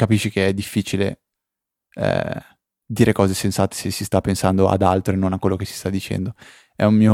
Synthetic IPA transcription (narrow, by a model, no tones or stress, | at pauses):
kapiʃːikeɛd̪ːifːiːt͡ʃilḛ | ɛ̰ | d̪iːɾʔekɔːzesensaːt̪e̥sesːist̪apːensand̪oʔa̰d̪alt̪ɾenonakwelːokesi̥st̪ad̪ːit͡ʃɛ̰nd̪o | ɛ̰ummiːo